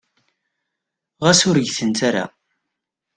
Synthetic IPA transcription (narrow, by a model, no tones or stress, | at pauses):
ʁæsʊɾəʝθənt̪aɾa̰